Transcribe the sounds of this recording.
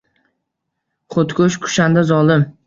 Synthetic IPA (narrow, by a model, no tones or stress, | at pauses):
χʰot̪kʰʲʊʃkʰʊ̥ʃand̪azɒlˠɪm